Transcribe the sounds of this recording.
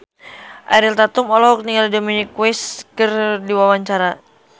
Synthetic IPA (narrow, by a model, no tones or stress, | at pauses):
ʔa̰ɾilt̪at̪umɔlɔɦɔk̚niŋɡaldominikwɛskərdiwawaɲt͡ʃaɾa